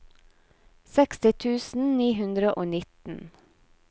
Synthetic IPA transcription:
sɛkst̪ɪt̪ʰʉːsn̩niːɦʉnd̪ɾəʔoːnɪt̪n̩

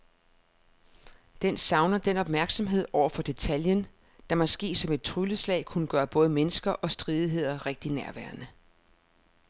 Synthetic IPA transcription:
d̥ensɑ̈ʊnɐd̥enɒ̽b̥mæɐɡ̥sɒ̽mɦe̝ð̞̰ˠɒʊ̰ɐfɒ̽d̥e̝t͡sʰæljən | d̥ɑ̈mɒ̽sɡ̥e̝̰ːsɒ̽me̝d̥̚t͡sʰʁyləslɛ̰ɪkʰunəɡ̥ɶːɐb̥ɔ̽ːð̞ˠmenəsɡ̥ɐʔɒ̽sd̥ʁiːð̞ˠiɦe̝ð̞̰ˠɐʁeɡ̥̚d̥inæɐʋæɐnə

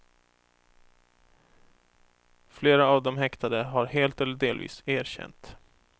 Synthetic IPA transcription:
fleːɾaːvd̪ɔmɦɛkt̪ʰad̪əɦaɾheːlt̪ɛlːəɖeːlvḭːseːɾɕɛ̰nt̪

